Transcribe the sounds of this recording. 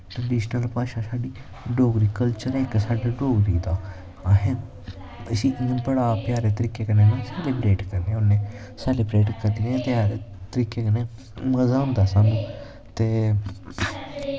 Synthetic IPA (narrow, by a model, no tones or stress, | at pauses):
ʈɾəɖiːʃnəlpaːʃaːsaːɖiː | ɖoːɡɾiːkəlt͡ʃəɾeksaːɖaɖoːɡɾiːd̪aː | ɦẽ | əsĩːbəɽaːpjaːɾeːt̪əɾiːkeːkəneːmɛ̃ːsɛːlɪbɾeːʈkəɾneːʊnːẽː | sɛːlɪbɾeːʈkəɾd̪iːnẽːt̪aɾet̪əɾiːkeːkəneː | məzaːɦʊ̃nd̪aːsaːnũː | t̪eː